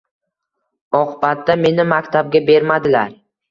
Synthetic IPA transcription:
ɒqʰɨbat̪ːame̞nɪmakʲt̪ʰab̚ɡʲabe̞ɾmad̪ɪlaɾ

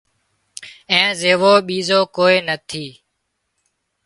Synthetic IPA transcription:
ẽːzeːʋoːɓiːzoːkoːeːnət̪ʰiː

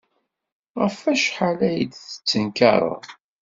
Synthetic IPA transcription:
ʁəfæʃħalæjəd̪θə̥t͡sːənkɑ̰ɾˤə̰ð

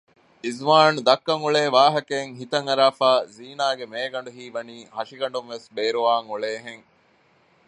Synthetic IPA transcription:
izʋaːnud̪ɐkːɐŋuɭeːʋaːɦɐkeːŋɦit̪ɐŋɐɾaːfaːziːnaːɡemeːɡɐɳɖuɦiːʋɐniːhɐʃiɡɐɳ̆ɖunʋesbeːɾuʋaːŋuɭeːɦeŋ

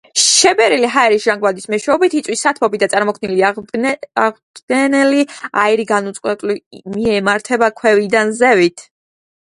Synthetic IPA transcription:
ʃɛbɛɾiliɦaɛɾisʒ̥aŋɡvad̪ismɛʃwɛɔbit̪ʰit̪sʼwisːat̪ʰmɔbid̪at̪sʼaɾmɔkʰnili | a | d̪ɡ̥ɛnɛlia̰iɾiɡanut̪sʼqʼwɛt̪ʼlimiɛmaɾt̪ʰɛbakʰwɛvid̪anzɛvit̪ʰ

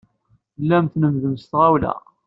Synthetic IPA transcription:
lːæmθnəmðəmst̪ʁawlæ̰

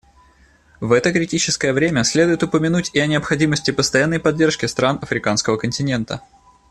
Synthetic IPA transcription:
vɛt̪əkɾʲɪtʲit͡ɕɪskəjəvɾʲemʲəsʲlʲe̞d̪ʊjɪt̪ʊpəmʲɪnutʲɪɐnʲɪəpxɐdʲiməsʲtʲɪpəst̪ɐjanːəjpɐdʲːe̞rʂkʲɪst̪ɾanɐfɾʲɪkanskəvəkənʲtʲɪnʲe̞nt̪ə̰

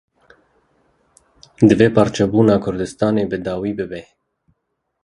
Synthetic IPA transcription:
d̪ɨveːpɑɾt͡ʃɛbuːnɑːkʰʊɾd̪ɨst̪ɑːneːbɨd̪ɑːwiːbɨbe

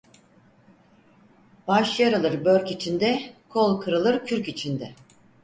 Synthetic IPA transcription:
baʃjaɾɯlˠɯɾbøɾʲcit͡ʃʰind̪ɛkʰo̞lˠkʰɯɾɯlˠɯɾcʰyɾcit͡ʃʰind̪ɛ

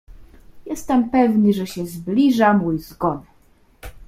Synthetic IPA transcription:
jɛst̪ɛmpɛvnɘʐɛɕɛzblʲiʐamujzɡɔnɛ

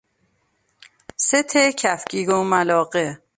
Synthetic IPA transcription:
set̪ʰecʰæfcʰiːɡomælɒːɢe

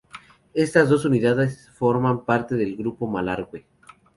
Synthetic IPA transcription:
e̞st̪azd̪o̞s̬uniðaðesfo̞ɾmampaɾt̪e̞ðelɡɾupo̞malaɾɣwe

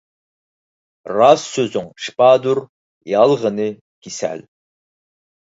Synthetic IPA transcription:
rɑsːøzyŋʃpɑːd̪uɾ | jɑlˠʁənɨ | kʲisæ̰l

